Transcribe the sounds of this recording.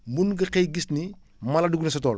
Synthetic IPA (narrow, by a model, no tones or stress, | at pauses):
munɡɐqejɡisni | mɐlɐduɡnisɐtɔːl